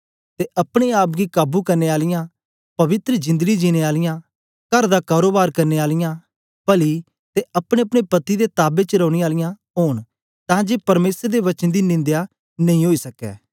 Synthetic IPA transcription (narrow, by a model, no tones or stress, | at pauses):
t̪eʔɐpɽ̃eaːp̬ɡikaːbukɐɾneaːlɪjã | pɐʋɪt̪ɾəd͡ʒɪ̃nd̪əɡid͡ʒiːñeaːlɪjã | kɐɾd̪akaːɾoːbaːɾkɐɾneaːlɪjã | pɐli | t̪eʔɐpɽ̃ẽɐpɽ̃epɐt̪id̪et̪aːbet͡ʃəɾɐ̃ːɽ̃eaːlɪjã | ɦoːɽ̃ | t̪ãːd͡ʒeːpɐɾmeːsəɾd̪eʋɐt͡ʃənd̪inɪ̃nd̪ja | nɐ̃ĩɦoːisɐkɛ̰ː